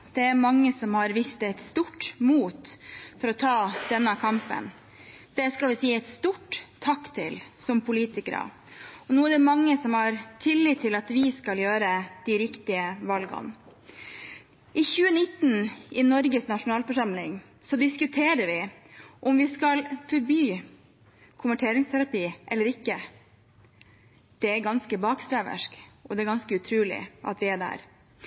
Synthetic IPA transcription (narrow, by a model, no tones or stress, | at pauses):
d̪̥ɛæɾmɑŋːəsɔmhɑɾʋɪst̪æɪt̪st̪uːʈːmuːt̪fɔɾɔt̪ʰɑːd̪̥ɛnːəkʰɑmpə̰n | d̪̥ɛskɑlʋɪsiːɛɪt̪st̪uːʈt̪ʰːɑkːt̪ʰɪlsɔmpʰʊliːt̪ɪkəɾə̰ | ɔnuːæɖɛmɑŋːəsɔmhɑɾt̪ʰɪlːɪt̪ʰːɪlɑt̪ʋɪskɑljøːɾəd̪̥iɾɪkt̪ɪəʋɑlɡɑ̰n | ʔɪçʉːənɪt̪ːnʔɪnɔɾɡəsnɑʂʊnɑːlfɔʂɑmlɪŋ | sɔd̪ɪskʉt̪ʰeːɾəɾʋɪʔɔmʋɪskɑlfɔɾbyː | kʰʊmʋəʈʰeːɾɪŋst̪ʰæɾɑpiːʔɛlːəɾɪkːə | d̪̥ɛæɾɡɑnskəbɑːkst̪ɾæʋə̰ʂkɔd̪ɛæɾɡɑnskəʉt̪ʰɾʉːlɪ̰ʔɑ̰t̪ʋɪæɖæ̰ːɾ